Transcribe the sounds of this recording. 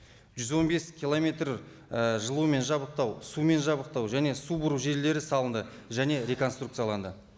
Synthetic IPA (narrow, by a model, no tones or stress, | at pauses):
ʒʏzwo̞nbe̞skʲʰilˠo̞me̞t̪r | əʒəlˠuəme̞nʒɑbəq̚t̪ɑwsume̞nʒɑbəq̚t̪ɑwʒæne̞subʊɾuʒe̞ɾle̞ɾɪsɑlˠənd̪ə | ʒæne̞ɾʲe̞ko̞nst̪ruk̪̚sɨjɑlˠɑnd̪ə